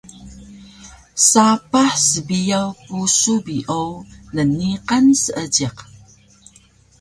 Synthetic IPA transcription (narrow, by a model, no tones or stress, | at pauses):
sapaħsəbijawpusubiʔownəniqansəʔəɟiq